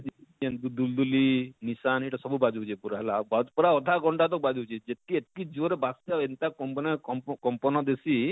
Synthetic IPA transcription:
d͡ʒiiɛnd̪ud̪uld̪ulinisaneʈasɔbubad͡ʒuɦut͡ʃʰipuɾaɦɛlabad͡ʒpɔɾaɔd̪ʱaɡɔɳʈat̪ɔk̚bad͡ʒɦut͡ʃʰid͡ʒet̪iet̪kid͡ʒuɔɾebasaent̪akɔmpɔnaɔkɔmpɔnɔd̪esi

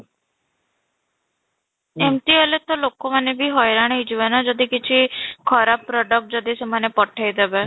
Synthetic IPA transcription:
emʈ̪ielet̪ɔlokomanebʱiɦɔjɾaɽ̃ejd͡ʒibanad͡ʒɔd̪ikit͡ʃʰikʰɔɾapːɾɔɖək̚ʈ̚d͡ʒɔd̪isemanepɔʈʰajd̪ebe

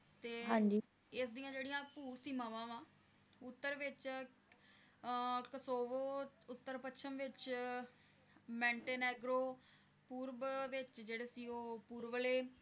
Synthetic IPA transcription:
t̪eːɦãːɲd͡ʒiː | ɪs̬d̪ijãːd͡ʒeːɽijãːpuːsiːmaʋãːʋãː | ʊt̪ːəɾʋɪt͡ʃ | kəsoːʋoːʊt̪ːəɾpətʃʰəmʋɪt͡ʃ | mɛ̃ːɳʈeːnɛːɡɾoː | puːɾʋʋɪt͡ʃd͡ʒeːɽeːsiːoːpuːɾʋəleː

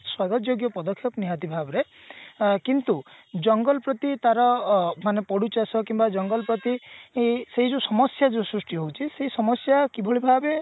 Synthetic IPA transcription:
swaɡɔd͡ʒjoɡjɔpɔd̪ɔkʰjɔkniɦat̪ibʱabɔɾe | kint̪ud͡ʒɔŋɡɔlpɾɔt̪it̪aɾɔmanepɔɽut͡ʃasɔkimbad͡ʒɔŋɡɔlpɾɔt̪i | seɦid͡ʒusɔmɔsjad͡ʒusɾusʈiɦowt͡ʃʰiseɦisɔmɔsjakibʱɔɭibʱabe

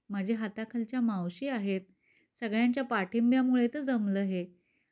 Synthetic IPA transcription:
m̤əd͡ʑʱeɦat̪akʰəlt͡ɕjamawɕiːaɦet̪̚ | səɡɭjaɲt͡ɕjapaʈʰimbjamuɭet̪əd͡zəmləːɦe

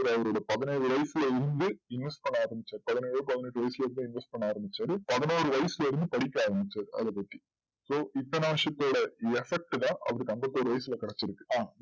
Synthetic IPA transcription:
ɐɾɐʋɐɾoːɽɐpɐðɪnɐjɾɯʋɐɪsɪlɐɪɾɯnd̪ɯɪnʋɛsʈ̚pɐɳːɐaːɾɐmbɪt͡ʃːaːɾɯpɐðɪnejɐpɐðɪneʈːɯʋɐɪsɪlɐɪɾɯnd̪ɯɪnʋɛsʈ̚pɐɳːaːɾɐmbɪt͡ʃːaːɾɯpɐðɐnoːɾɯʋɐɪsɪlɐɪɾɯnd̪ɯpɐɽɪk̬ʲːɐaːɾɐmbɪt͡ʃːaːɾɯɐ̰ðɛpːɐʈ̪ːi̥ | soːʔɪt̪ːɐnɐʋɐʂɐt̪ːoːɽɐɛfɛk̚ʈɯt̪ãːʔɐ̰ʋɐɾɯkɐmbɐt̪ːoːɾɯʋɐjɪsɪlɐkɪɽɐt͡ʃːɪɾɯkːɯaː

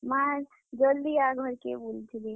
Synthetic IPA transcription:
maɾ | d͡ʒəld̪iaɡʱəɾkebuld͡ʒ̪ʰili

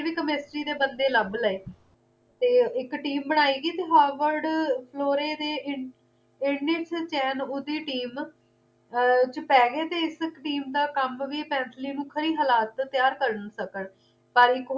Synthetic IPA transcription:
ʋiːkəmɪsʈɾiːd̪eːbənd̪eːləbləeː | t̪eːɪkʈiːmbəɽ̃aːiːɡiːt̪eːɦaːʋəɾɖpʰloːɾeːd̪eːɪ | ɪɳɪsʰt͡ʃɛːnʊd̪iːʈiːm | t͡ʃəpɛːɡeːt̪eːɪsɪkʈiːmd̪aːkəmʋiːpɛ̃ːnt̪ʰliːnũːkʰəɾiːɦəːlaːt̪t̪ːɪjaːɾkəɾənsəkəɳ | pəɾɪk

